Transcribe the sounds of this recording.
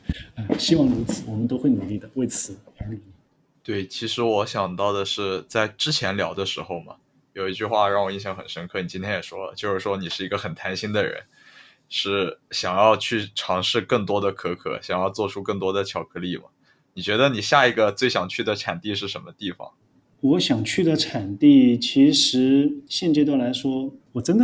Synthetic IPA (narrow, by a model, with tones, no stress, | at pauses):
ə˧ɕi˥wɑ˥˩ŋɻu˧˥t͡sʰɹ̩˨˩˦wɔ˨˩mə˦nt̪o˥ʊxwe˥˩ɪnu˨˩li˥˩d̪ə˩we˥˩ɪt͡sʰɹ̩˨˧˦a˧˥i˨˧˥ | t̪we˥˩ɪt͡ɕʰi˧˥ʂɻ̩˧˥wɔ˧˥ɕjɑ˨˩ŋt̪ɑ˥˩ʊd̪ə˩ʂɻ̩˥˧t͡sa˥˩ɪʈ͡ʂɻ̩˥t͡ɕʰjɛ˧˥nljɑ˧˥ʊd̪ə˧ʂɻ̩˧˥xo˧ʊmɐ̰˩ | jo˨˩ʊi˧˥t͡ɕy˥˧xwa˥˧ɻɑ˥˩ŋwɔ˨˩i˥˩nɕjɑ˧˥ŋxə̰˨˩nʂə˥nkʰɤ˥˩ni˨˩t͡ɕi˥nt̪ʰjɛ˥jɛ˨˩ʂwɔ˥lə̰˩t͡ɕjo˥˧ʊʂɻ̩˥˩ʂwɔ˥ni˨˩ʂɻ̩˥˩i˧˥ɡə˧xə˨˩nt̪ʰa˧˥nɕi˥nd̪ə˨ɻə̰˧˥n | ʂɻ̩˥˩ɕjɑ˨˩ŋjɑ˥˧ʊt͡ɕʰy˥˩ʈ͡ʂʰɑ˧˥ŋʂɻ̩˥˧kə˥˩ŋt̪wɔ˥d̪ə˨kʰɤ˧˥kʰɤ̰˨˧˩ɕjɑ˨˩ŋjɑ˥˧ʊt͡swɔ˥˧ʈ͡ʂʰu˥kə˥˩ŋt̪wɔ˥d̪ə˨t͡ɕʰjɑ˨˩ʊkʰɤ˧˥li˥˩mɐ̰˩ | ni˨˩t͡ɕɥɛ˧˥d̪ə˧ni˨˩ɕja˥˩i˧˥ɡə˧t͡swe˥˩ɪɕjɑ˨˩ŋt͡ɕʰy˥˩d̪ə˩ʈ͡ʂʰa̰˨˩nt̪i˥˧ʂɻ̩˥˩ʂə˧˥nmə˧t̪i˥˩fɑ̰˨˩˦ŋ | wɔ˧˥ɕjɑ˨˩ŋt͡ɕʰy˥˩d̪ə˩ʈ͡ʂʰa˨˩nt̪i˥˩t͡ɕʰi˧˥ʂɻ̩˧˥ɕjɛ˥˧nʈ͡ʂ̩˥˧t̪jɑ˥˩la˧˥ɪʂwɔ˥wɔ˨˩ʈ͡ʂə˥nd̪ə˨